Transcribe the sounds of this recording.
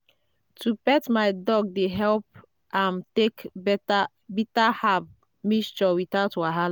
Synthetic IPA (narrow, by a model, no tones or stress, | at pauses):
tupɛtmaɪdɔɡ̚deɦɛlp̚ | ʔãmtek | bitahav | mist͡ʃɔwitaʊtwaɦal